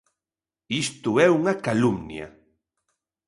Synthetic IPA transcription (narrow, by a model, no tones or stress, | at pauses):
ist̪uɛuŋakalumnja̰